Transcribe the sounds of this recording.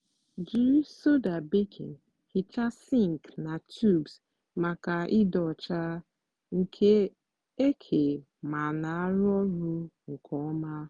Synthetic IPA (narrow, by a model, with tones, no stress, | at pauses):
d͡ʒi˦so˦da˨bi˦kʰḭ˨n | hi˨t͡ʃa˦si˦ŋ˨kna˨tʰu˦˨bs | ma˨ka˨ʔɪ˦dɔ˨t͡ʃa˦ | ŋ̩˨kʰe˦ | e˦kʰe˨ | ma˨na˨a˦ɾɔ˦ɾu˦ŋ̩˨kʰɔ˦ma˦